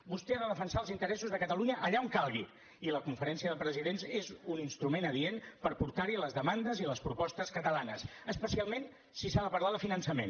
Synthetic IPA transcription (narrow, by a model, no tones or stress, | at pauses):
bust̪ɛaðəðəfənsaəlˠzint̪əɾɛsuzðəkət̪əluɲəʔəʎaomkalˠɣi | iləkuɱfəɾɛnsiəðəpɾəziðenzezuninst̪ɾumenəðienpəɾpuɾt̪aɾiləzðəmand̪əziləspɾupɔst̪əskət̪əlanə̰səspəsialˠmen | sisaðəpəɾlaðəfinənsəmḛn